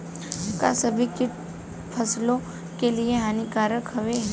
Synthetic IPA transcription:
ka̰sɐbʱikɪ | pʰɐslõ | kelieɦaːnikaːɾəkhɐʋeɦɛ

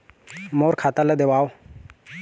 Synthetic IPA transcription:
moːɾkʰat̪aləd̪eʋaːwo

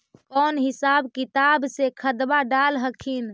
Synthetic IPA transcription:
kɔnɦɪsabkit̪absekʰəd̪baɖalɦəkʰin

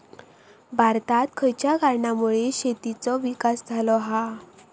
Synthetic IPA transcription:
bʱaɾt̪at̪kʰəjt͡ɕjaɡaɾɳamuɭeɕet̪it͡sɔʋikasd͡zʱalɔɦa

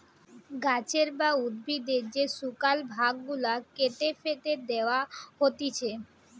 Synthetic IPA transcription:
ɡat͡ɕʰeɾbaud̪̚bid̪eɾd͡ʑesukalbʱaɡːulakeʈ̪efet̪ed̪eoaɦot̪it͡ɕʰe

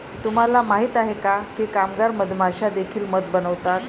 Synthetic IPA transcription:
t̪um̤alamaɦiːt̪aɦekakikamɡaɾməd̪ʱm̤ʱaɕad̪ekʰiːlməd̪bənəʋt̪at̪

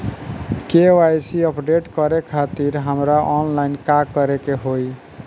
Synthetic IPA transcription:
kewajsiəpɖeʈkəɾekʰat̪iɾɦəmɾaʔɔnlajnkakːəɾekeɦoj

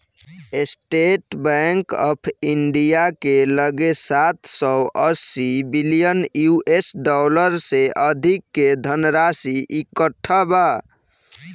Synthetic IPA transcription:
esʈeʈbɛŋkəpʰiɳɖijakeləɡesat̪səʔəsibilijənjuʔesɖɔləɾseʔəd̪ʱikːed̪ʱənɾasiʔikəʈʰːəba

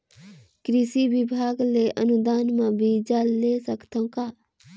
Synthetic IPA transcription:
kɾɪsiʋɪbʱaːɡleʔənud̪aːnmãbʱiːd͡ʒalesəkt̪õkaː

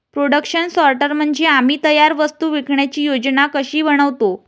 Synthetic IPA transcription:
pɾoɽəkɕənsɔɾʈəɾm̤əɳd͡zeam̤iːt̪əjaɾʋəst̪uːʋikʰɳjat͡ɕiːjod͡ʑnakəɕiːʋəɽ̃əʋt̪o

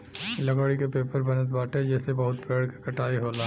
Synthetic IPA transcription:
lɐɡoːɽikepeːpəɾbɐnət̪̚baːʈed͡ʒɛːsebɐɦʊt̪peːɽkekɐʈaːiɦoːla

